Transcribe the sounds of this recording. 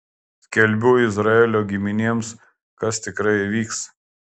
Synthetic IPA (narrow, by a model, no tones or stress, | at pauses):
sʲkʲɛlʲˑbʲʊːɪzɾɐeːlʲoːɡʲɪmʲɪnʲiɛms | kɐst̪ʲɪkɾɐɪʋʲiːks